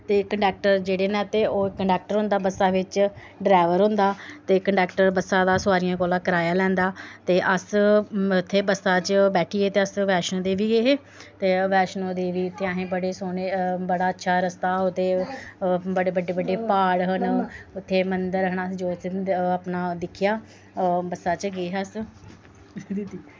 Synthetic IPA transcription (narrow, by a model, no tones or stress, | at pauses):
t̪eːkəɳɖɛːk̚ʈəɾd͡ʒeːɽeːnɛ̃ːt̪eːoːkəɳɖɛːk̚ʈəɾɦʊ̃nd̪aːbəsaːʋɪt͡ʃ | ɖɾaːʋəɾɦʊ̃nd̪aːt̪eːkəɳɖɛːkʈəɾbəsaːd̪aːsʊaːɾijãːkoːlãːkəɾaːjaːlɛ̃ːnd̪aːt̪eːʔəsʊt̪ʰːeːbəsaːt͡ʃbɛːʈʰiːeːt̪eːəsʋɛːʃnõːd̪eːʋiːeːɦeː | t̪eːʋɛːʃnõːd̪eːʋiːʊt̪ʰːeːãːɦẽːbəɽeːsoːneːbəɽaːətːʃʰaːɾəst̪aːʊt̪eː | bəɽeːbəɖeːbəɖeːpaːɽɦənʊt̪ʰːeːmənd̪əɾɦəɳaːd͡ʒoːsəpnaːd̪ɪkʰːɪjaː | bəsaːt͡ʃɡeːɦəs | d̪t̪i